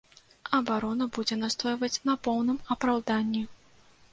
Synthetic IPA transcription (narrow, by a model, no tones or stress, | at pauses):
ɐbaɾɔnɐbud͡zʲɛnast̪ɔjvɐt͡sʲnɐpɔwnɨmɐpɾawd̪anʲːi